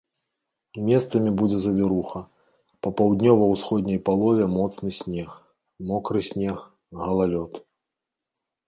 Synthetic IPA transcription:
mʲɛst̪sɐmʲibud͡zʲɛzɐvʲiɾuxɐ | pɐpawd̪ʲnʲɔvɐwsxɔd̪ʲnʲɐjpalˠɔvʲɛmɔt̪snɨsʲnʲɛx | mɔkɾɨsʲnʲɛx | ɣɐlˠalʲɔt̪

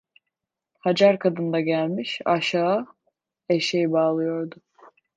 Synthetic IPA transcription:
had͡ʒaɾkʰad̪ɯnd̪aɟælʲmiʃaʃa | eʃejibaːlˠɯjo̞ɾd̪ʊ

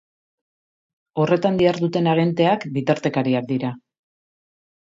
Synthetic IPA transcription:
o̞re̞t̪and̪iaɾðut̪e̞naɣ̞ent̪e̞akbit̪aɾt̪e̞kaɾiak̚d̪iɾa

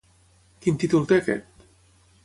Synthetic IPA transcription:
kint̪it̪ult̪ekɛ̰t̪

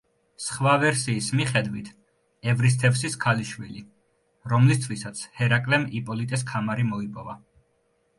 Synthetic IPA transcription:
sχvavɛɾsiːsmiχɛd̪wit̪ʰ | ɛvɾis̬t̪ʰɛfsiskʰaliʃwili | ɾɔmlist̪ʰvisat̪sʰhɛɾakʼlɛmipʼɔlit̪ʼɛs̬kʰamaɾimɔipʼɔva

